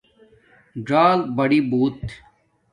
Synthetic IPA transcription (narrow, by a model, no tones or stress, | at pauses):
ɖaːlbɐɽiːbuːt̪